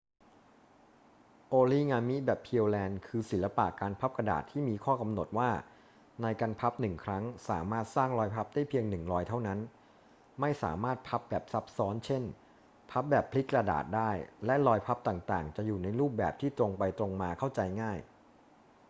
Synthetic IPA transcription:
ʔoː˧liː˥˩ŋaː˧mi˦˥bɛː˨˩pʰi˧ə˧wlɛː˧nkʰɯː˧si˩˦la˧pa̰˨ʔkaː˧npʰa˦˥p̚kɾa˧da̰ː˨˩t̪ʰːiː˥˩miː˧kʰɔː˥˩ka˧mno˨˩t̪̚waː˥˩ | na˧jka˧npʰa˦˥p̚nɯ˨˩ŋkʰɾa˦˥ŋsa̰ː˩˦maː˥˩t̪̚saː˥˩ŋlɔː˧jpʰa˦˥p̚daː˥˩jpʰi˧əŋnɯ˨˩ŋɾɔː˧˥jt̪ʰa˥˩wna˦˥n | ma˥˩jsa̰ː˩˦maː˥˩t̪̚pʰa˦˥p̚bɛː˨˩p̚sa˦˥p̚sɔː˦˥nt͡ɕʰe˥˩n | pʰa˦˥p̚bɛː˨˩pʰli˦˥k̚kːɾa˧da̰ː˨˩t̪̚daː˥˩jlɛ˦˥lɔː˧jpʰa˦˥p̚t̪aː˨˩ŋt̪a̰ː˨˩ŋt͡ɕa˨˩ʔjuː˨˩na˧jɾuː˥˩p̚bɛː˨˩p̚t̪ʰiː˥˩t̪ɾo˧ŋpa˧jt̪ɾo˧ŋmaː˧kʰa˥˩wt͡ɕa˧jŋaː˥˩j

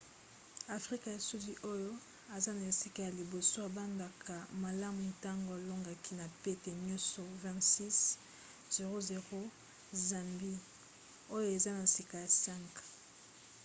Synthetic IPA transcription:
a˨fʁi˦ka˨ja˨su˦di˦ʔo˦jo˦ | a˨za˦na˨e˨si˦ka˨ja˨li˨bo˨so˦a˨ba˦nda˨kʰa˨ma˨la˦mu˨ta˦ŋɡo˨a˨lo˦ŋɡa˨ki˦na˨pe˦te˨mjɔ̃˦sɔ˨vɛ̃˦tsi˦s | ze˨ʁo˦ze˨ʁo˦ | za˨mbi˦ | o˦jo˦e˨za˦na˨si˨ka˨ja˨sɛ˦ŋk

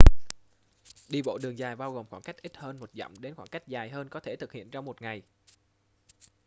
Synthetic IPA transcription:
ɗi˧ɓo̰˧˨ɗɨ˨˩əŋzaː˨˩jɓaː˧wɣo˨˩mŋ͡mxwaː˧˩nka˦˥jk̚ʔi˦˥t̚həː˧nmo˨˩t̚zɔ̰˧˨wŋ͡mɗe˨˦nxwaː˧˩nka˦˥jk̟̚zaː˨˩jɦəː˧nkɔ˨˦t̪ʰe˧˩t̪ʰɨ˨k̚hḭ˧˨ənt͡ɕɔ˧wŋ͡mmo˨˩t̚ŋa˨˩j

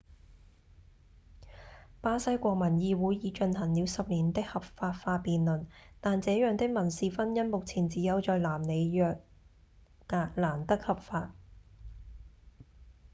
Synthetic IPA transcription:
paː˥sɐ˥jkʷɔː˧k̚mɐ˨˩njiː˨˧wuː˨˧˥jjiː˨˧t͡ʃɵ˧nhɐ˨˩ŋliː˨˧wsɐ˨p̚niː˨˩nt̪ɪ˥k̚hɐ˨p̚faː˧t̚faː˧piː˨nlɵ˨˩nt̪aː˨nt͡sɛː˨˥jœː˨ŋt̪ɪ˥k̚mɐ˨˩nsiː˨fɐ˥njɐ˥nmo˨k̚t͡sʰiː˨˩nt͡siː˨˥jɐ˨˧wt͡ʃɔː˨˧jlaː˨˩mne˨˧jjœː˨˧k̚ | taː˨˧laː˨˩nt̪ɐ˥k̚hɐ˨pfaː˧t̚

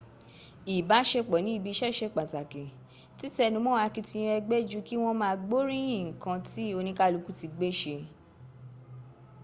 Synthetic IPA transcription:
i˨ba˨˦ʃe˧k͡pɔ˨nĩ˨˦i˧˨bi˧ʃɛ˦˨ʃe˧k͡pa˨ta˨kĩ˨ | ti˦tɛ˧nũ˧˦mɔ̃˦a˧ki˧tĩ˧ɛ˧ɡ͡bɛ˦d͡ʒu˦ki˦w̃ɔ̃˦mãː˧ɡ͡bo˦ɾĩ˦ĩ˦˨kã˧ti˦o˧nĩ˧ka˦˨lu˨˧ku˦ti˧ɡ͡be˦ʃe˧

